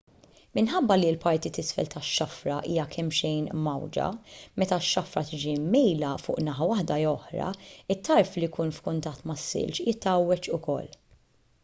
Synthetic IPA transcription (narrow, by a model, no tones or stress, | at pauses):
mɪnħɐbːɐlilpɐɾt̪it̪ɪsfɛ̰lt̪ɐʃːɐfɾɐʔḭːjɐkʰɛmːʃɛjnmɐwd͡ʒɐ̰mɛt̪ɐʃːɐfɾɐt̪ɪd͡ʒimɛjlɐfʊ̰ːʔnɐħɐwɐħd̪ɐɔħɾɐ̰ɪt̪ːɐɾflijkuːnfkʊnt̪ɐt̪ːmɐsːɪ̰lt͡ʃjɪt̪ːɐwːɛt͡ʃʊkɔ̰lː